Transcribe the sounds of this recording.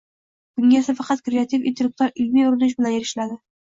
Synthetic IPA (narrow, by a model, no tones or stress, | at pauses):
ɡ̥ʊŋʲesafɑqɑt̪kɾeat̪ʰifɪ̰nt̪ʰek̚t̪ɑɾɪlmijʊɾɪnɪʃ̬bɪlanjeɾɪʃlad̪ɪ